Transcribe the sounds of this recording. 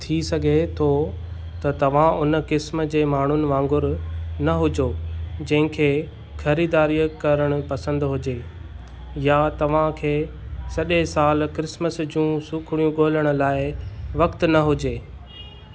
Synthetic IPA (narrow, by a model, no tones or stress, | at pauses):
t̪ʰisɐɡʱet̪ʰo | t̪ɐt̪ɐʋ̤ãʔʊnə̆kɪsmə̆d͡ʑeːmaːɳ̤ʊnɪ̆ʋãːŋɡʊɾnɐɦʊd͡ʑod͡ʑɐ̃ɦɪ̃kʰeː | xɐɾiːd̪aːɾijkɐɾəɽ̃ʊ̆pɐsə̃nd̪ɦʊd͡ʑeː | jat̪ɐʋ̤ãkʰeː | sɐɗesaːlkɾɪsməsd͡ʑũːsuːkʰɽ̃ijũɠoːləɽ̃ʊ̆laːɪʋɐkt̪nɐɦʊd͡ʑeː